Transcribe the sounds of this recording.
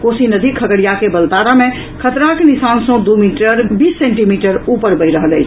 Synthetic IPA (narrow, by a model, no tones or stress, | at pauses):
kosinəd̪ʱikʰəɡəɽijakebəlt̪aɾame | kʰət̪ɾakenisansə̃d̪umiʈəɾbisːẽɳʈimiʈəɾupəɾbəjɾəɦələjt͡ʃʰ